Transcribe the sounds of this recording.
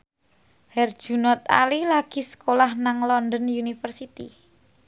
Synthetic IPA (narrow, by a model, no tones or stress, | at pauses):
hɛrd̥ʒ̥ṳnɔt̪̚a̰lilaɡ̥i̤sə̥kolahnaŋlɔndɔnjunifərsit̪ḭ